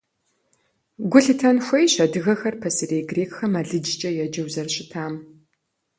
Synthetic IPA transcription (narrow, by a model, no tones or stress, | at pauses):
ɡʷʊɬɨtʰɐnxʷɐjɕɐdɨɣɐxɐrpʰɐsɨreːjɡreːkxɐmaːɮɨd͡ʒt͡ʃʼɐjɛd͡ʒɐwzɐrɕɪtʰaːm